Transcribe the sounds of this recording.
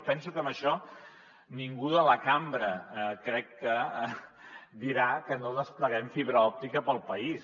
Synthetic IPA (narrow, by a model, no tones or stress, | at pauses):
pɛnsukəməʃɔ | niŋɡuðələkambɾəkɾɛkːə | d̪iɾakənoðəspləɣɛɱfiβɾəɔp̚t̪ikəpəlˠpəis